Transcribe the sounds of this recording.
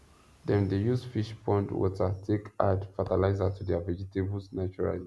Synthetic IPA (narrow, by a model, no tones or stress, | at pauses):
dɛ̃ndejuzfiʃpʰɔ̃ntwɔ̰tʰətʰekʰadfatalaɪzatʰudɛvɛd͡ʒiteblsnat͡ʃuɹa̰li